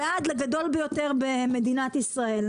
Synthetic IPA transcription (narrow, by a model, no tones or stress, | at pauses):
ead̪leɡad̪o̞lbejo̞t̪eʁbeme̞d̪inat̪isʁae̞l